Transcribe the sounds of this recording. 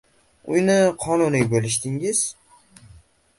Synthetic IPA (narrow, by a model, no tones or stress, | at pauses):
ʊ̰jnɪqʰɒnʊnɪɡʲbolɪʃd̪ɪŋɪz̥